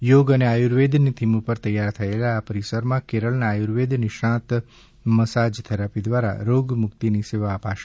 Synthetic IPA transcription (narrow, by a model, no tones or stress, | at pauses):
joɡəneajuɾʋed̪nit̪ʰimũpəɾt̪əjːaɾt̪ʰəelaːpəɾisəɾmãkeɾəlnaːjuɾʋed̪niʃãt̪ | məsad͡ʒt̪ʰəɾapid̪ʋaɾa̰ɾoɡmʊkt̪iniseʋaəpaʃ